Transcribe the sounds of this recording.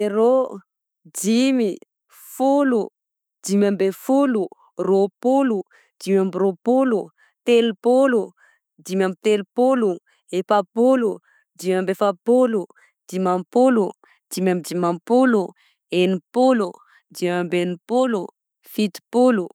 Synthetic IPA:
eɾo | d̪imi | fulu | d̪imambefulu | ropulu | d̪̥imambiropulu | t̪elupulu | d̪imamit̪elupulu | epapulu | d̪imambefapulu | d̪̥imampulu | d̪̥imamid̪imampulu | enipulu | d̪imambenipulu | fit̪i̥pulu

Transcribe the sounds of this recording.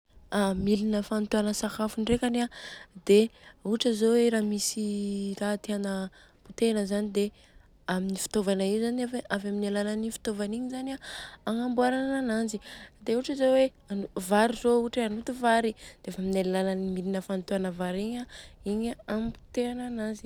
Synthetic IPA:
amilinəfant̪uanəsakafuɳɖ͡ʐekʲanad̪̥euʈ͡ʂəzoweɾamisirat̪eanə | put̪enəzanid̪e | aminifi̥t̪ovanaizanaveʔavaminalalanifi̥t̪ovaniɲizanaːŋambuaɾananananzid̪euʈ͡ʂəzowe | anuvaɾizouʈ͡ʂeanut̪uvaɾid̪̥eafaminalalalanimilinəfant̪uanəvaɾiɲaiɲaampu̥t̪eanananzi̥

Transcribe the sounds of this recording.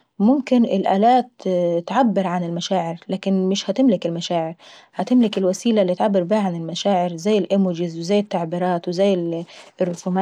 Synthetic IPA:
mʊmkɪnʔɪlʔa̰ːlaːt̪t̪ʕabːɪɾʕanɪlmaʃaːʕɪɾlaːkɪnmɪʃhat̪ɪmlɪkɪlmaʃaːʕɪɾ | hat̪ɪmlɪkɪlwasiːlalːit̪ʕabːɪɾbihaʕanɪlmaʃaːʕɪɾzajːɪlʔɪmuːd͡ʒɪzwɪzajːɪt̪ːaʕbiːɾˤɑːt̪wɪzajːɪlʔɪrːʊfumaː

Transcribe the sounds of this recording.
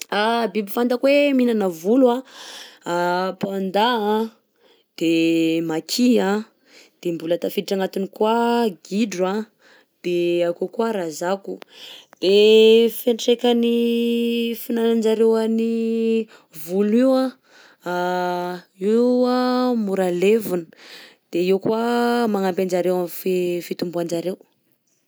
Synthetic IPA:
abibifand̪akweminanavulua | apand̪aã | d̪̥emakʰiã | d̪̥embulat̪afiiʈ͡ʂaŋat̪unikwaɡiɖ͡ʐua | d̪̥eakokuaɾazakud̪̥efeɳʈ͡ʂekani | finanand͡ʒaɾewani | vuliwa | a | iamuɾalevunəd̪̥eiwkwamaŋampand͡ʒaɾewamfefit̪umbuand͡ʒaɾew

